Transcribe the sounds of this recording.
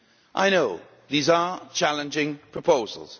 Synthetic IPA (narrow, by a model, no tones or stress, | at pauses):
ʔa̰ɪñoʊ | ðiːzət͡ʃʰalə̃nd͡ʒɪ̃ŋpʰɹ̥əpʰoʊzə̰lˠz̥